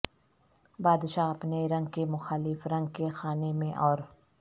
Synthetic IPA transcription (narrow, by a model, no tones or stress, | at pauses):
baːd̪ʃaːɐpneɾɐ̃ŋɡ̚kemʊxaːlɪfɾɐ̃ŋɡ̚kexaːnemẽʔɔːɾ